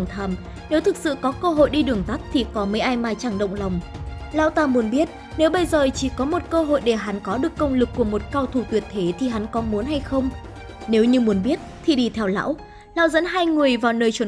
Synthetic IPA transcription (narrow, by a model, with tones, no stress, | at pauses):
ŋ͡mt̪ʰaː˧˩m | ne˨˦wt̪ʰɨ˨˩k̚sɨ̰˧˨kɔ˨˦kəː˧ɦo̰˧˨jɗi˧ɗɨ˨˩əŋt̪a˦˥t̚t̪ʰi˨˩kɔ˨˦məː˨˦jʔaː˧jmaː˨˩jt͡ɕaː˧˩ŋɗə̰˧˨wŋ͡mla˨˩wŋ͡m | la̰ː˧˥wt̪aː˧mu˨˦ənɓi˦˥ət̚ | ne˨˦wɓə˧jzəː˨˩t͡ɕi˧˩kɔ˨˦mo˨˩t̚kəː˧ɦo̰˧˨jɗe˧˩ɦa˨˦nkɔ˨˦ɗɨ˨˩əkːə˧wŋ͡mlɨ˨˩kːu˧˩əmo˨˩t̚kaː˧wt̪ʰu˧˩t̪wi˨˩ət̚t̪ʰe˨˦t̪ʰi˨˩ɦa˨˦nkɔ˨˦mu˨˦ənɦa˧jxə˧wŋ͡m | ne˨˦wɲɨ˧mu˨˦ənɓi˦˥ət̚t̪ʰi˨˩ɗi˧˩t̪ʰɛ˧wla̰ː˧˥w | la̰ː˧˥wzə̰˧˥nɦaː˧jŋɨ˨˩əjvaː˨˩wnəː˧jt͡ɕwə˨˦